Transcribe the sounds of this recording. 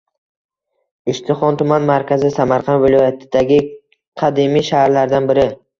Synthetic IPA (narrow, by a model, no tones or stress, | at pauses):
ɪʃt̪ʰɪχɒnt̪ʰʊmanmaɾkʲʰazɪsamaɾqʰɑnd̪vɪlˠɒjat̪ʰɪd̪aɡʲɪ | qʰɑd̪imijʃahaɾlaɾd̪anbɪɾɪ